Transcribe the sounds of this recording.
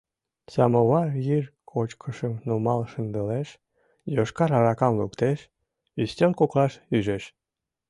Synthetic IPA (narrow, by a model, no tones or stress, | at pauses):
sɑmoβɑrjirkʰot͡ɕkʰəʃəmnumɑlʃənd̪əleʃ | joʃkɑɾɑɾɑkɑmlukt̪eʃ | yst̪ʲelkoklɑʃyʒeʃ